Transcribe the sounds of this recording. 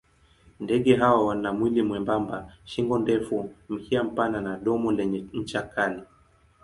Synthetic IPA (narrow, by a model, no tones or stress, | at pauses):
ndɛɠɛɦawawanamwilimwɛmbambaʃiŋɡɔndɛfum̩kiam̩pananaɗɔmɔlɛɲɛɲ̩t͡ʃakʰali